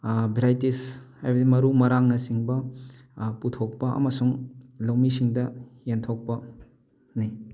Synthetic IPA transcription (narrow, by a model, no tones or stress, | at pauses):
biɾajtishajbɐdimɐɾumɐɾaŋnɐsiŋbɐ | putʰok̚pɐʔɐ̰mɐsuŋlɐwmisiŋdɐjentʰok̚pɐ | ni